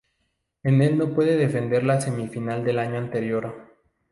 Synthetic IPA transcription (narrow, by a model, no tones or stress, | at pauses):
ene̞lno̞pwe̞ðeðe̞fe̞nd̪e̞ɾlase̞mifinald̪e̞laɲo̞ant̪e̞ɾjo̞ɾo